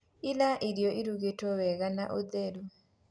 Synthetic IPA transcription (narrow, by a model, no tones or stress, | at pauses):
ilaʔiɾjɔʔiɾuɣetɔwɛɣanaʔod̪ɛɾu